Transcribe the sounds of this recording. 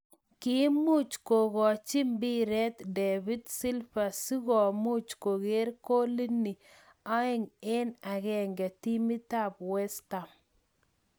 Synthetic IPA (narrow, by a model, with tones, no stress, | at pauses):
kɪ˦mu˦t͡ʃko˨ɡɔ˨t͡ʃi˦mbi˦ɾɛ˦t̪de˨vi˦dsi˦lfa˨si˦ɡɔ˨mu˦t͡ʃko˨ɡe˦ɾko˦li˦nːi˨ | ɔ˦ɪ˦ŋɛ˦na˨ɡɛ˨ŋɡa˨ti˦mi˦ta˦pwɛ˦sta˨m